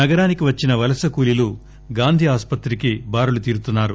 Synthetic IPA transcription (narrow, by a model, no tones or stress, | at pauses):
nɐɡɐɾaːnikiʋɐt͡ʃːinɐʋɐlɐsɐkuːlilu | ɡaːnd̪ʱiaːspɐt̪ɾikibaːɾulut̪iːɾut̪unːaːɾu